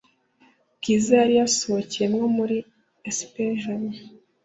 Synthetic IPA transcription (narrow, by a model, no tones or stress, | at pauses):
kizajaɾijasoocijemŋo̞muɾi | espeʒon